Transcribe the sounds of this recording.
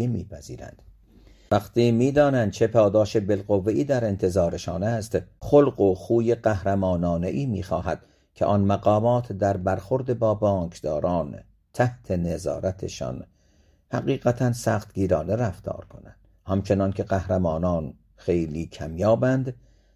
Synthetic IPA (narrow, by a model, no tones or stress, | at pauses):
imiːpʰæziːɾæ̰nd̪̥ | væqt̪iːmiːd̪ɒːnænd̪̚t͡ʃʰepʰɒːd̪ɒːʃebe̞lɢovːeʔiːd̪æɾe̞nt̪ʰe̞zɒːɾe̞ʃɒːnæst̪xolɢoxuːjeɢæhɾæmɒːnɒːne̞ʔiːmiːxɒːɦæd̪̥̚ | kʲʰeʔɒnmæɢɒːmɒːt̪ʰd̪æɾbæɾxoɾd̪ebɒːbɒːŋkʰd̪ɒːɾɒːn | t̪ʰæht̪ʰe̞ne̞zɒ̰ːɾæt̪ʰḛʃɒ̰ːn | hæɣiːɣæt̪ʰænsæxt̪ɡiːɾɒːne̞ɾæft̪ʰɒ̰ːɾkʰo̞næ̰nd̪̥ | hæmt͡ʃʰe̞nɒnkʰʲe̞ɢæhɾæmɒːnɒːn | xe̞jliːkʰæmjɒːbænd̪